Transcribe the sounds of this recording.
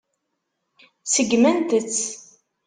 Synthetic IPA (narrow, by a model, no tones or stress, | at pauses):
səɡmænt̪ət͡sː